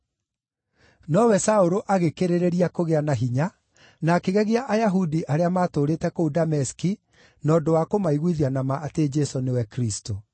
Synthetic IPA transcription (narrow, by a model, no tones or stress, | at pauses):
nɔwɛsaoɾoʔaɣekeɾeɾeɾiakoɣeanaɦiɲa | naːkeɣɛɣeaʔajaɦudiʔaɾeamaːtoːɾeːtɛkoudamɛski | nɔːdowakomaiɣwiðianamaʔated͡ʒɛsonewɛkɾisto